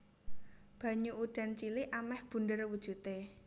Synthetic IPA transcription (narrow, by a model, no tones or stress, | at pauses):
b̥ä̤ɲuʔuɖ̥a̤nt͡ʃiliʔamɛhb̥ṳndərwud̥ʒ̥ṳt̪e